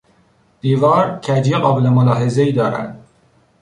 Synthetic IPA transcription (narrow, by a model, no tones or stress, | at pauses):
d̪̥iːvɒːɾcʰæd͡ʒjeɣɒːbelemolɒːɦe̞zeiːd̪ɒːɾæ̰nd̪̥